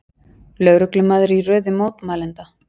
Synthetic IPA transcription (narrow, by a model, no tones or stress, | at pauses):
lœːwɾʏklɪmaːðɾɪirœːðɪmoːwt̪maːlɛnt̪a